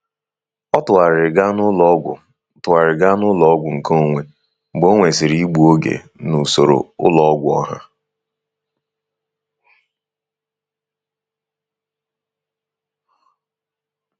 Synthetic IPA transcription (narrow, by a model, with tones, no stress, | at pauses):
ɔ˦tʊ˨a˨ɾɪ˨ɡa˦nʊ˦lɔ˦ɡʷʊ̰˨˦ | tʊ˨a˨ɾɪ˨ɡa˦nʊ˦lɔ˦ɔ˦ɡʷʊ˨ŋ̩˨kʰo˦˨ŋʷe˨ | ɡ͡bo˦ŋʷe˨sɪ˨ɾi˦ɡ͡bu˨o˦ɡḛ˨ | nu˨so˨ɾo̰˨ʊ˦lɔ˦ɔ˦ɡʷʊ˦ɔ˦ɦa̰˦